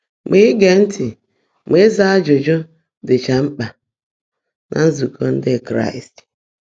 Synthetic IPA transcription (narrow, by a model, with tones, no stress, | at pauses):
me˦ɡe˨n̩˦tʰɪ˨ | me˦za˦a˦d͡ʒʊ˨d͡ʒo˦ | dɪ˨t͡ʃa˨ŋ͡m̩˦k͡pa˨ | nʔa̰˨n̩˦zu˨kʰo˦n̩˦dɪ˦˨kɾa̰˦˨i˨st